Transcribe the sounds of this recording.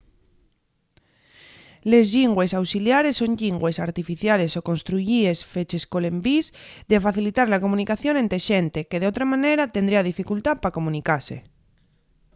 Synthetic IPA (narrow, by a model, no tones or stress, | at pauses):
le̞zʎiŋɡwe̞sawsiljaɾe̞sːoɲʎiŋɡwe̞saɾt̪ifiθjale̞soko̞nst̪ɾuʝie̞sfet͡ʃe̞sko̞le̞mbizðe̞faθilit̪aɾlako̞mũnikaθjo̞nent̪eʃe̞nt̪e̞keðeot̪ɾamãne̞ɾat̪e̞nd̪ɾiaðifikult̪apako̞mũnikase̞̰